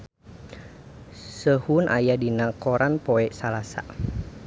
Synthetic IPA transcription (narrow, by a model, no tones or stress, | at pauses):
səhunʔa̰jadinakɔɾanpɔɛsalasa̰